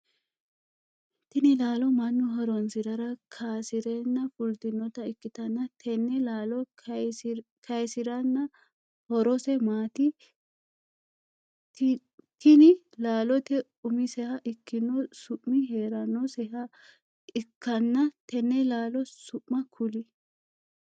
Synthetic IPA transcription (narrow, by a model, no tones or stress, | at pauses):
t̪ɪnɪlaːlɔmɐnːʊɦɔɾɔnsɪɾɐɾɐkʰaːsɪɾɛnːɐfʊlt̪ɪnːɔt̪ɐɪkːɪt̪ɐnːɐt̪ʰɛnːɛlaːlɔ | kʰɐjsɪɾɐnːɐ | hɔɾɔsɛmaːt̪ɪ | t̪ɪnɪ | laːlɔt̪ɛ | ʊmɪsɛhɐʔɪkːɪnːɔsʊʔmɪɦeːɾɐnːɔsɛhɐ | ʔɪkːɐnːɐt̪ɛnːɛlaːlɔsʊʔmɐkʰʊlɪ